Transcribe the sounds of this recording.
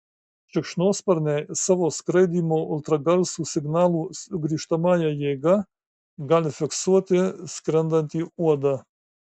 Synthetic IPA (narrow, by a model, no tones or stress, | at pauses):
t͡ʃəkʃnospɐɾnɛsɐʋoskɾed̪imolt̪ɾaɡalsusiɡnaːlˠusɡɾiʃt̪amajajeɡa | ɡalʲfeksut̪eskɾɛnd̪ant̪iuɐd̪a